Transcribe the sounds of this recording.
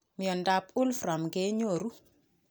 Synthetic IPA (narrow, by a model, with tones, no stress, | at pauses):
mi˨ɔ˨nda˨pu˦lfɾa˨mɡɛ˦ɲo˨ɾu˦